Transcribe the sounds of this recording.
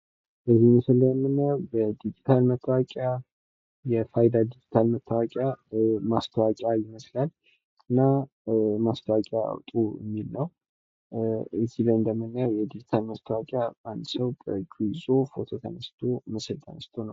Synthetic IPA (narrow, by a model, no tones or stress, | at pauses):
bəziməsɨlːəɛmːɨnːəjawbəd̪id͡ʒit̪ʰalmət̪ʰːəwakʼja | jɛfajd̪ad̪id͡ʒit̪ʰalmət̪ʰːəwakʼjamast̪ʰəwakʼjajɪməslal | ɨnːa | mast̪ʰəwakʼjaa̰wt̪ʼujɛ̰mːilnəw | ɨziləjɨnd̪əmːɨnːəjawjɛd̪id͡ʒit̪ʰalməst̪ʰəwakʼjaand̪səwbəɡizo̞fo̞t̪ʰo̞t̪ʰənəst̪ʰo̞məsɨlt̪ʰənəst̪ʰo̞nəw